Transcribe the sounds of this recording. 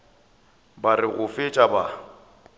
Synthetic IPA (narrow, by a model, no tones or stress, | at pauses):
barɪɣʊfɪt͡ʃʼaba